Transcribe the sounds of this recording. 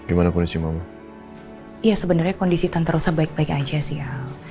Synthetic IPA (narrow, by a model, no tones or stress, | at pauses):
ɡ̥imanakɔndisimama | ijasəbənarɲakondisit̪ant̪aɾusahbaɪk̚baɪkad͡ʒasia